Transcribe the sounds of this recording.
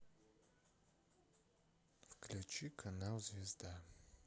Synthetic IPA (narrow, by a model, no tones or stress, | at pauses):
fklʲut͡ʃikʰanawzvʲezd̪a